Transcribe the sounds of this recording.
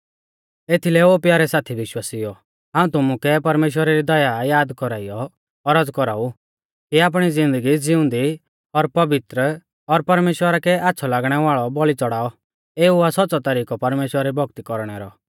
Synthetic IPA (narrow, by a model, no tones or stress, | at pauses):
et̪ʰilɛoːpjaːɾɛsaːt̪ʰiʋɪʃwaːsijɔ | ɦaːũt̪ʊmukɛpɐɾmeːʃ̬wəɾaɾid̪ɔjajaːd̪kɔɾaijɔ | ɔɾad͡zkɔɾaːu | kiaːp̬ɽ̃id͡zɪ̃nd̪əɡid͡zɪʊ̃nd̪i | ɔɾpɐʋɪt̪ɾə | ɔɾpɐɾmeːʃwəɾakɛʔaːtːsʰɔlaːɡɽ̃ɛʋaːɭɔbɔɭit͡sɔɽaːɔ | eːuasɔːsɔt̪ɐɾiːkɔpɐɾmeːʃwəɾaɾibʱɔkt̪ikɔɾɽ̃ɛɾɔ